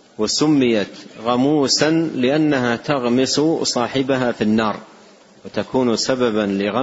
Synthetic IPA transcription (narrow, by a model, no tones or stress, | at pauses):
wɪsʊmːɪjat̪ɣamuːsanlɪʔanːaɦat̪aɣmɪssˤɑːħɪbaɦafinːɑːɾˤ | wɪt̪akuːnsababalɪɣa